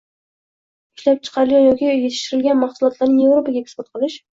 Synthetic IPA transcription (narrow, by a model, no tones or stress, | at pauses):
ɪʃlap̚t͡ʃʰɨ̥qʰɑɾɪlˠɡʲanjɒkʲijet̪ʰɪʃt̪ɪɾɪlɡʲanmɑχsʊlˠɒt̪laɾnɪŋje̞vɾopʰaɡʲaek̪ɪbɪt̪̚qʰɨlˠɪʃ